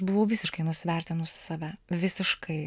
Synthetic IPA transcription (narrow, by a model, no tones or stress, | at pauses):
bʊʋɐʊʋʲɪːsʲɪʃkɐɪnʊsʲɪʋʲɛrʲt̪ʲɪnʊssɑːʋʲæʋʲɪsʲɪʃkʰɐɪ